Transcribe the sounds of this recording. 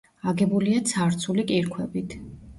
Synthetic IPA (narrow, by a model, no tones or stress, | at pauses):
aɡɛbuliat̪sʰaɾt̪sʰulikʼiɾkʰwɛbit̪ʰ